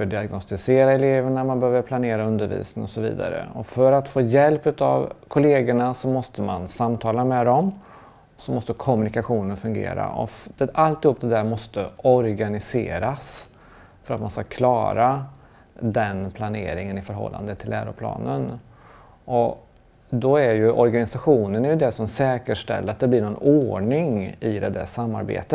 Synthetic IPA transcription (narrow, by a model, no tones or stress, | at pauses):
fœɖɪaɡnɔst̪ɪseːɾaɛleːvəɳamanbəhøːvəɾpʰlaneːɾaɵnd̪əɾvḭːsnɪŋɔsɔvḭːd̪a̰ɾə̰ɔfœɾat̪foːjɛlpʉ̟t̪a̰vkʰʊleːɡəɳasɔmɔst̪əma̰nsamt̪ʰɑːlamɛd̪ɔm | sɔmɔst̪əkʰɔmnɪkaɧuːnənfɵŋɡḛːɾa̰ʔɔ̰d̪ɛalt̪ɪhuːp̚ːd̪ɛd̪æːɾmɔst̪əɔɾɡanɪsḛːɾas | fœɾat̪manskakʰlɑːɾa | d̪ɛnpʰlanḛːɾɪŋənɪfœɾɦɔ̰lːa̰nd̪ət̪ʰːɪlːæːɾʊ̰pʰlɑ̰ːnən | ʔɔ | d̪ɔæɾjɵʔɔɾɡanɪsaɧuːnənæɾjɵd̪ɛsɔmsɛːkəʂʈɛ̰lːəɾat̪̚d̪ɛblɪɳɔnoːɳɪŋɪd̪ɛd̪æ̰ʂamːa̰ɾbḛːt̪ət̪